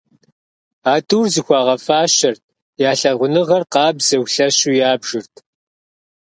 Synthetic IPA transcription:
aːtʰuːrzɨxʷɑːʁɐfaːɕɐrt̚ʰ | jaːɬɐʁʷʊnɨʁɐrqɑːbz̥ɐwɬɐɕuːjaːbʒ̥ɨrtʰ

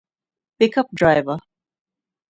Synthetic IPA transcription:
pɪkʌp̚dɹaɪvə

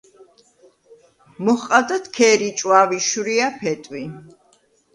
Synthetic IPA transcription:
mɔχqʼad̪at̪ʰkʰɛːɾit͡ʃʼwaviʃuɾiapʰɛt̪ʼwi

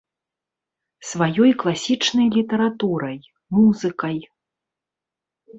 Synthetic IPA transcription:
svajɔjklˠasʲit͡ʂnɐjlʲit̪ɛɾat̪uɾɐj | muzɨkɐj

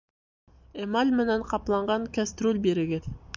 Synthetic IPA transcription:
emalʲmɪnæɴqʰɑplˠɑɴʁɑŋkʲæst̪ɾolʲbeɾɪɡʲet̪

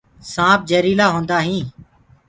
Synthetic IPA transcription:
sãːp̚d͡ʒeːɾiːlaːɦõːnd̪aːɦĩː

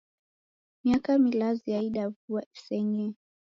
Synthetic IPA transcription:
miakamilaziaiɗavuasɛŋɛ

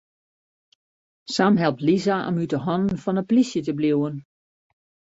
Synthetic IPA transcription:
samɦɛlˠp̚tlizaʔɔ̰mytəɦɔnən̩fɔnəplisjətəbliwən

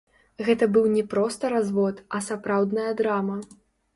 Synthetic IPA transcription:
ɣɛt̪ɐbɨwnʲɛpɾɔst̪ɐɾazvɔt̪ɐsapɾawd̪nɐjɐd̪ɾamɐ

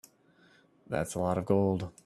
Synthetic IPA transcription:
ðæ̰tsəlɔɾəvɡoʊlˠd̥

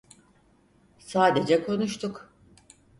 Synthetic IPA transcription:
saːd̪e̞d͡ʒɛkʰo̞nuʃt̪ʰuk

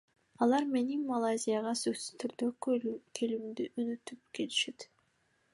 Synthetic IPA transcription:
ɑlˠɑɾme̞niŋmalˠazʲijaʁɑsøksyz̥t̪ʰyɾd̪økʰelimd̪iʔønøt̪yp̚ke̞liʃet̪

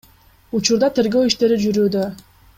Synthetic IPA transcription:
ut͡ʃuɾd̪ɑt̪ʰe̞ɾɡøwiʃt̪e̞ɾid͡ʒyɾyːd̪ø

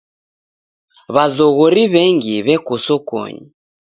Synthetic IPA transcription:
βazɔɣɔɾiβɛŋɡiβɛkɔsɔkɔ̰ɲi

